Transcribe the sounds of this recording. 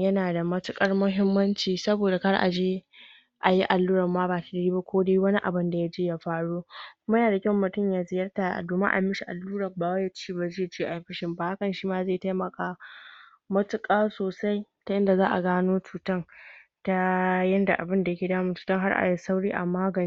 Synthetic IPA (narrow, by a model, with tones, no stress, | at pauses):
jɐ˦naː˨da˨mɐ˦tʊ˦kʼɐ˦rmʊ˦ɦɪ˦mːɐ˦nt͡ʃiː˨sɐ˦boː˨da˨ha˦rʔa̰˨d͡ʒeː˦ | ʔa˨ji˦ʔa˨lːuː˦ɾɐ˨mmaː˦baː˨ta˨dɐ˨ɽiː˦ba˦kʷoː˦deː˦wɐ˦ni˦ʔa˨bɪ˦nda˨ja˦d͡ʒeː˦ja˦ɸaː˦ɽuː˦kʷʊ˦ma˦jaː˨da˨kʲɐ˦˨mːʊ˨tʊ˦mjaː˨zɪ˨jɐ˦rta̰˨doː˨ma˦ʔa̰˨mɪ˦ʃi˨ʔa̰˨lːuː˦ɽɐ˨baː˨wa˦ja˦t͡ʃiː˦˨ba˦d͡ʒɪ˦˨t͡ʃi˦˨ʔa˨˦ɸɪ˦ʃɪ˨mbaː˨ha˦kɐ˨nʃiː˦maː˦zeː˦˨ta˦jmɐ˨kaː˦ | mɐ˦tʊ˦kʼaː˦soː˨sa˦jta˦jɪ˦nda˨zaː˦ʔa˨ɡaː˦noː˦t͡ʃuː˨tɐ˦nta˦jɐ˦nda˨ʔa˨bɪ˦nda˨jɐ˦kʲeː˨daː˦mʊ˦˨t͡ʃuː˨tɐ˦ŋɦa˦rʔa̰˨ji˦sa˦wɽiː˦ʔa̰˨maː˦ɡɐ˨n˦